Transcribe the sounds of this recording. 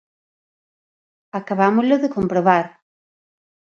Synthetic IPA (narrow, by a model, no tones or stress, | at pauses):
akaβamʊleðekompɾoβaɾ